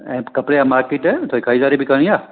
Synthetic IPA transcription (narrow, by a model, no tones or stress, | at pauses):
ɛ̃kɐpɽeamaɾkiʈɛt̪ʰoikʰaizaɾibʱikəɳ̃ĩja